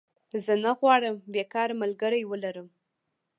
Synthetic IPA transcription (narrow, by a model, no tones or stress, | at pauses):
zənaɣwɑɽəmbekɑɾmalɡəɾajwəlaɾəm